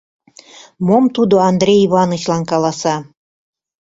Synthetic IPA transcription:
momt̪ud̪oɑnd̪ɾʲejiβɑnət͡ɕlɑnkɑlɑsɑ

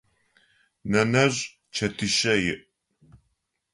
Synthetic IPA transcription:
nɐnɐʑ | t͡ʃʰɐtʰɨʃɐjɪʔ

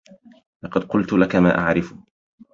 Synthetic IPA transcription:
lɑqɑd̪̚qʊlt̪ʊlakamaːʔaʕɾɪfʊ̥

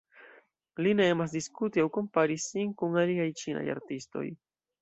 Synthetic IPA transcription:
linaemas̬d̪iskut̪jawkompaɾisiŋkʊŋaɾiɣajt͡ʃina̰ja̰ɾt̪ist̪o̰j

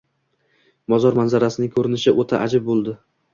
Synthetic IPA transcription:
mɒzɒɾmanzaɾasɪnɪŋkʰɵɾɪnɪʃɪʔot̪ʰaʔad͡ʒɪb̚bolˠd̪ɪ

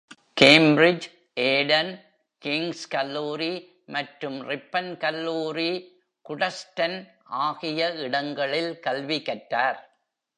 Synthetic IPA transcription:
keːmbɾɪd͡ʒ | ʔeːɖɐn | kɪŋskɐlːuːɾi | mɐʈɾɯmɾɪpːɐnkɐlːuːɾi | kʊɽɐsʈɐnʔaːɣɪjɐɪɽɐŋɡɐɭɪlkɐlʋikɐʈːaːɾ

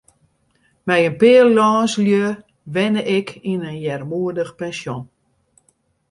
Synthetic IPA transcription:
mɛjənpɪːəllɔːnsljø | ʋɛnəʔɪkʰinənjɛrmuədəxpɛnsjon

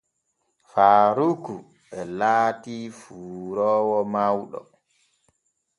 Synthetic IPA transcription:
faːɾuku | ɓɛlaːtiːfuːɾɔːwɔmawɗɔ̰

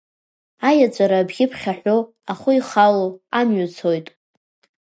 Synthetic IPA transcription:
ajat͡ʃʷʼaɾabɡʲɪpʰχʲaħʷᶣo | aχʷʊiχaloamɥʊt͡sʰo̞jtʼ

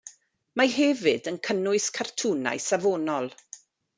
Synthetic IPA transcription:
maɦɛvɨdənkʰənʊɨskʰartʰuna̰jsavoːnɔlˠ

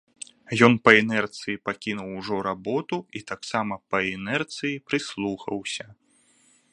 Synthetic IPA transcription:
jɔnpɐɛnɛrt̪sɨjipakʲinuwʐɔɾabɔt̪uit̪aksamɐpɐɛnɛrt̪sɨjipɾɨslˠuxɐ̰wsʲɐ

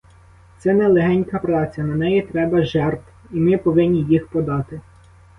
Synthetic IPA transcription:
t̪sɛnɛlˠeɦɛnʲkɐpɾɑt͡sʲɐnɐnɛjit̪ɾɛbɐʒɛrt̪w | imɪpɔʋɪnʲːijixpɔd̪ɑt̪ɪ

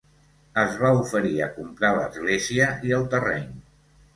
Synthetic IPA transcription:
əzβaufəɾiəkumpɾalə̰zɣleziəiəlˠt̪ərɛ̰ɲ

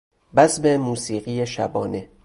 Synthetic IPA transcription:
bæsbemuːsiːɢijeʃæ̰bɒːne

